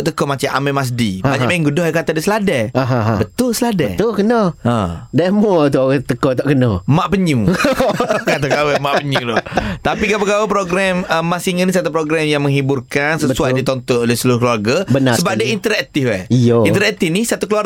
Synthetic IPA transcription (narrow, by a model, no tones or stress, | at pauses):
ʔt̪əkɔmat͡ʃamʔa̰mɛmas̬dibaɲaaiŋɡudɔhakat̪adisəladɛaɦabət̪ʊlsəladɛ̰t̪ʊlkənɔã̰damɔt̪ut̪əkɔt̪aʔkənɔmaʔpəɲu | kat̪akawɛmaʔpəɲũlɔt̪apikapəɡawpɾoɡɾaməmːasiŋənisat̪upɾoɡɾamjaŋmə̃ŋɦiburkansəsuajdit̪ɔnt̪ɔnolɛhsəluɾʊhkluwarɡabənaəbap̚diəint̪əɾɛkt̪ifwɛ̰oint̪əɾɛk̚t̪ifnisat̪ukluwar